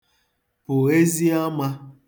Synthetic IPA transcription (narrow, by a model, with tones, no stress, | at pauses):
pʊ˨e˦zi˦a˦ma˦